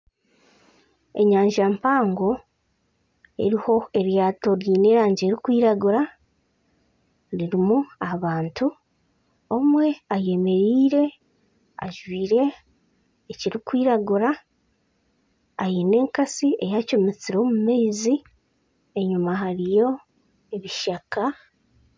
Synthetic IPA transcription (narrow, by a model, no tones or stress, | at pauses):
e̞̰ɲaːɲʒampaːŋɡo̞ | ḛɾiho̞e̞ɾjaːto̞ɾjiːneːɾaːɲɟeːɾikwiːɾaɡuɾa | ɾiɾimuaβaːntu | omwe̞aje̞me̞ɾiːɾe̞ | a̰ʒwiːɾe̞ː | ciɾikwiːɾaɡuɾa | jiːne̞ːŋkasiejacumit͡siɾoːmumezi | eɲumaɦaɾijo̞ | eβiʃaka